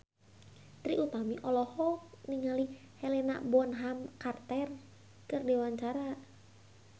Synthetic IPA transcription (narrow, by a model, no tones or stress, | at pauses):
t̪ɾiʔut̪amiʔɔlɔhɔniŋali | helena̰bɔnɦamkart̪ɛr | kɨrdewaɲt͡ʃaɾa